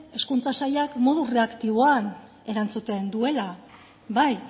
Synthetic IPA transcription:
e̞skunt͡sasajakmo̞ð̞ure̞akt̪iβoan | e̞ɾant͡sut̪e̞nd̪ue̞la | βaj

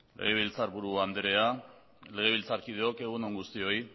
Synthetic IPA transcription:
le̞̰ɣ̞e̞β̞ilt͡saɾβuɾuand̪eɾe̞a | le̞ɣ̞e̞β̞ilt͡saɾkið̞eo̞ke̞ɣ̞unoŋɡust̪io̞j

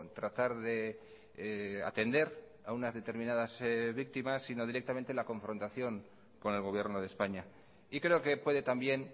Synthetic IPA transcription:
t̪ɾat̪aɾðe̞ | a̰t̪e̞nd̪e̞ɾ | aunazðe̞t̪e̞ɾmĩnað̞azβik̚t̪imasːino̞ðiɾe̞k̚t̪amẽ̞nt̪e̞lako̞ɱfɾo̞nt̪aθjo̞ŋ | ko̞ne̞lɣo̞βje̞ɾno̞ð̞espaɲa | ikɾe̞oke̞pwe̞ðe̞t̪ambje̞n

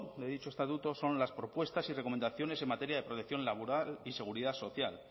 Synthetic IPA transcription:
d̪e̞ðit͡ʃoe̞st̪at̪ut̪o̞so̞nlaspɾo̞pwe̞st̪asire̞ko̞me̞nd̪aθjo̞ne̞se̞mat̪e̞ɾjaðe̞pɾo̞t̪ekθjo̞nlaβ̞oɾalise̞ɣ̞uɾiðaso̞θjal

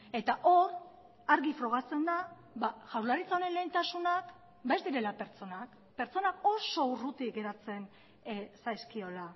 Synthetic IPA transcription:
e̞t̪aʔo̞ɾ | aɾɣifɾo̞ɣ̞at͡se̞nd̪a | baʝawɾlaɾit͡saoɾe̞nle̞jnt̪asunak | bazd̪iɾe̞lape̞ɾt͡so̞nak | pe̞ɾt͡so̞nao̞so̞urut̪iɣe̞ɾat͡se̞n | sajskio̞la

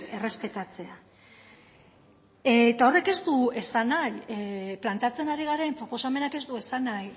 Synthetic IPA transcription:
e̞re̞spe̞t̪at͡se̞a | et̪ao̞reke̞zt̪ue̞sanajplant̪eat͡se̞naɾiɣ̞aɾempɾopo̞same̞nake̞zd̪ue̞sanaj

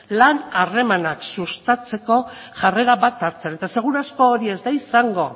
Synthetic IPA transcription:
lanare̞manaksust̪at͡se̞ko̞ | ʝare̞ɾaβat̪aɾt͡sene̞t̪ase̞ɣ̞uɾasko̞ːɾie̞zd̪aisaŋɡo̞

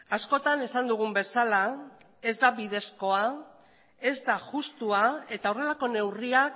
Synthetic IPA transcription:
asko̞t̪ane̞sand̪uɣ̞umbe̞sala | e̞zd̪aβiðe̞sko̞a | e̞zd̪aʝust̪uae̞t̪ao̞re̞lako̞ne̞wriak

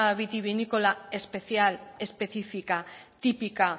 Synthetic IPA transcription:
aβit̪iβinikolaespeθjale̞spe̞θifikat̪ipika

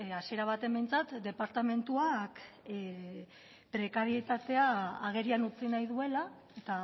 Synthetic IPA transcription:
asie̞ɾaβ̞at̪e̞mbe̞jnt͡sat̪d̪e̞paɾt̪ame̞nt̪uak | pɾe̞kaɾie̞t̪at̪e̞aːɣe̞ɾianut͡sinajðue̞la | et̪a

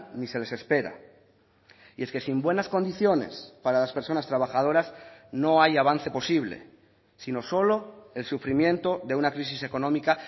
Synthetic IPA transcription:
nise̞le̞se̞spe̞ɾa̰ | ie̞ske̞simbwe̞nasko̞nd̪iθjo̞ne̞̰spaɾalaspe̞ɾso̞nast̪ɾaβaxað̞o̞ɾazno̞ajaβ̞anθe̞po̞siβ̞le̞̰ | sino̞so̞lo̞e̞lsufɾimjẽ̞nt̪o̞ðe̞unakɾis̬ise̞ko̞nõmika

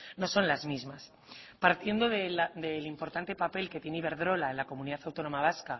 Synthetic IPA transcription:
no̞so̞nlazmizmas | paɾt̪je̞nd̪oðed̪e̞limpo̞ɾt̪ant̪e̞pape̞lke̞t̪je̞niβe̞ɾðɾo̞lae̞nlako̞muniðaθawt̪o̞no̞maβ̞aska

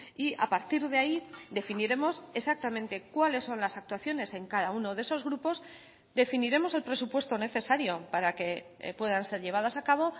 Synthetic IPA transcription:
ia̰paɾt̪iɾðeaid̪e̞finiɾe̞mo̞se̞sak̚t̪amẽ̞nt̪e̞kwale̞sːo̞nlasak̚t̪waθjo̞ne̞se̞ŋkaðaunoðe̞so̞zɣɾupo̞z | d̪e̞finiɾe̞mo̞se̞lpɾe̞supwe̞st̪o̞ne̞θe̞saɾjopaɾake̞̰ | pwe̞ðanse̞ɾʎe̞βaðasakaβ̞o̞

